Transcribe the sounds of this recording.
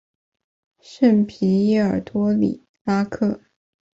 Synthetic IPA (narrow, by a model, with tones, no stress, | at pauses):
ʂə˥˩npʰi˧˥i˥˩ə̰˞˨˩t̪wɔ˥lḭ˨˩˦ | la˥kʰɤ˥˩